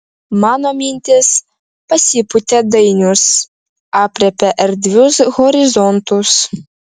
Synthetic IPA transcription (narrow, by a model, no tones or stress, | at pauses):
mɑːnomʲinʲt̪ʲɪs | pɐsʲipʊt̪ʲɛd̪ɐɪnʲʊs | ɑːpʲɾʲɛpʲɛʔɛɾʲd̪ʲʋʲʊsɣɔɾʲɪzɔnt̪ʊs